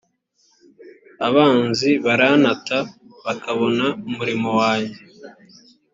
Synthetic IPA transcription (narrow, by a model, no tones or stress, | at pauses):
aβaːnziβaɾanataβakaβo̞naumuɾimo̞waːɲe